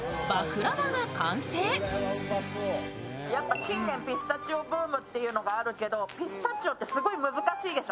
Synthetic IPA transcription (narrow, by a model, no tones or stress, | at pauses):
makɯ̟ɾabaɡakãñseːosojapːakʲĩnːẽmpʲisɨ̥t̪at͡ɕio̞bɯ̟ːmɯ̟t̪ːe̞jɯ̟no̞ɡaːɾɯ̟ke̞d̪o̞pʲisɨ̥t̪at͡ɕio̞t̪ːe̞sɨɡo̞imɯ̟zɨkaɕiːd̪e̞ɕo